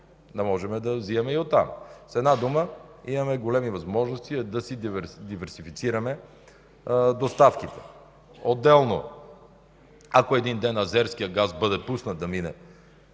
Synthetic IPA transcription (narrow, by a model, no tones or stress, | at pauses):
d̪ɐmɔʒɛmɛd̪ɐziɐmɛiot̪ːa̰msɛd̪nad̪uməimɐmɛɡolɛmivɐzmɔʒnost̪iɛd̪ɐsid̪ivɛɾsifit̪siɾɐmɛ | d̪ost̪afkit̪ɛ̥ | od̪ːɛlˠno̰ | ɐkoɛd̪ind̪ɛnɐzɛɾsk̟ijəɡazbɤd̪ɛpusnəd̪ɐminɛ̰